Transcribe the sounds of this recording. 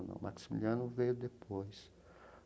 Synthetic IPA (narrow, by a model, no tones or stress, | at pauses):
nɐ̰̃w̃mʔa̰ksimḭliɐ̃nʊvejʊd̪epojs